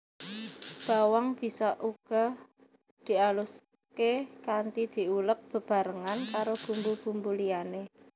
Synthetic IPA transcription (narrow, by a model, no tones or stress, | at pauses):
b̥a̤waŋb̥i̤sɔʔuɡ̥ɔ̤ | d̪̥i̤alus | kekant̪id̪̥i̤ulək̚b̥ə̤b̥a̤ɾəŋankaɾob̥ṳmbub̥umbuliane